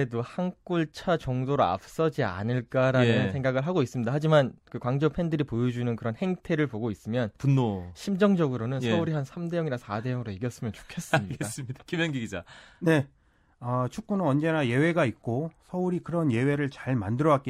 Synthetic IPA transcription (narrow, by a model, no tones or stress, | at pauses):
edohank͈uɭt͡ɕʰat͡ɕʌŋdoɾoa̰p̚s͈ʌd͡ʑia̰nɯɭk͈aɾanɯnɯsʰe̞ŋɡaɡɯɭɦaɡois͈ɯmɲidahad͡ʑimankɯkwaŋd͡ʑopʰe̞ndɯɾipojod͡ʑunɯnkɯɾʌnhe̞ŋtʰe̞ɾɯɭpoɡois͈ɯmjʌnpunːoɕʰimd͡ʑʌŋd͡ʑʌɡɯɾonɯnsʌuɾihansʰamde̞jʌŋiɾasʰade̞jʌŋɯɾoiɡjʌs͈ɯmjʌnt͡ɕo̥kʰe̞s͈ɯmɲiɡes͈ɯmɲid̥akimjʌŋɡiɡid͡ʑane̞ | ʌt͡ɕʰuk͈̚unɯnʌnd͡ʑe̞naje̞we̞ɡait̚k͈osʰʌuɾikɯɾʌnje̞we̞ɾɯɭt͡ɕaɭmandɯɾʌwak͈e